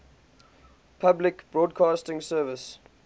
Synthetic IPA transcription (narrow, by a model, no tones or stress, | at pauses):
pʰablɪkb̥ɹɔːdkʰɑːstɪ̃ŋsɜːvɪs